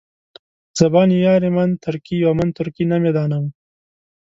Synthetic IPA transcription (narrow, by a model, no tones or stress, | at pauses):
z̥ɐbɑːnijɑːɾemɐnt̪ʰʊɾkijomant̪ʊɾkinamed̪ɑːnam